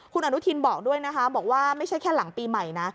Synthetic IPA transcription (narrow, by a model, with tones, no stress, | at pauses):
kʰu˧nʔa˧nu˦˥t̪ʰi˧nbɔː˨˩k̚du˥˩əjna˦˥kʰa˦˥bɔː˨˩k̚waː˥˩ma˥˩jʰa˥˩jkʰɛː˥˩la˩˦ŋpiː˧ma˨˩jna˦˥